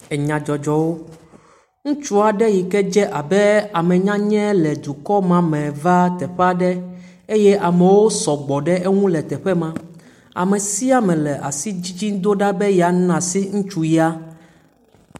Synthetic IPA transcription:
ɛ˨ɲã˨d͡ʒɔ˨d͡ʒɔ˨wo˦ | ŋũ˦t͡ʃu˦a˨ɖɛ˦ji˨kɛ˦d͡ʒɛ˦ʔa˨bɛ˦a˨mɛ̃˨ɲã˦ɲɛ̃˦lɛ˨d̪u˨kɔ˦mã˨mɛ̃˨va˦t̪ɛ˨ɸɛ˦a˦ɖɛ˦ | e˦jɛ˦ʔa˨mɛ̃˨wo˦sɔ˨ɡ͡bɔ˨ɖɛ˦ʔe˦ŋũ˦lɛ˨t̪ɛ˨ɸɛ˦mã˦ | a̰˨mɛ̃˨si˦a˨mɛ̃˨lɛ˨ʔa˨si˦d͡ʑi˦d͡ʑi˦d̪o˦ɖa˦bɛ˦jɛ˨a˨˦nã˨si˦ŋũ˦t͡ʃu˦ji˦a˦

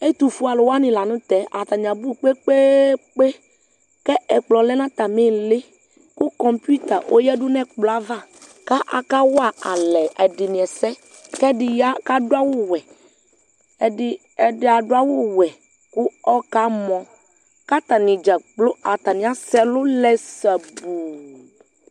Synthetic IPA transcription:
e˦t̪u˨fu˦a˨lo˨wa˦nĩ˨la˨nũ˦t̪ɛ˨˦ʔa˨t̪a˨ɲ˨ã˨bu˦˨k͡pe˦k͡pe˦k͡pe˦ | kɛ˦ɛ˨k͡plɔ˨lɛ˦nã˦t̪a˨me˦le˦ | ku˦kɔ˨mpu˦t̪a˨ʔo˦jɛ˦ɖu˦nɛ̃˦k͡plɔ˨a˦va˦ | ka˦ʔa̰˨ka˦wa˦a˨lɛ˨ɛ˨ɖi˨nĩ˨ɛ˨sɛ˦ | kɛ˦ɖi˨ja˦ka˦do˦a˦wo˦wɛ˨ | ɛ˨ɖi˦ | ɛ˨ɖe˨a˨ɖo˦a˦wo˦wɛ˨ | ku˦ɔ˦ka˦mɔ̃˨ | ka˦t̪a˨nĩ˨d͡ʒa˨k͡plo˦a˨t̪a˨nĩ˨˦a˦sɛ˦lo˦lɛ˦sɛ˨bu˨

